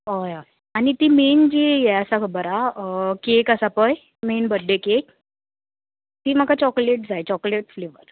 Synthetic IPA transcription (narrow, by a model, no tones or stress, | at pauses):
əja | añit̪iːmend͡ʑijɛəsakʰəbəɾakekəsapəj | menbəɖʱːekek̚ | t̪iːm̤əkat͡ɕɔkleʈ̚d͡zajt͡ɕɔkleʈfleʋə̰ɾ